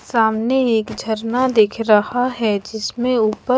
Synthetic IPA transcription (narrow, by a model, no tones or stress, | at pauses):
saːmneeːkd͡ʒʱɐɾnad̪eːkʰɾɐhaɦɛd͡ʒɪsmẽuːpə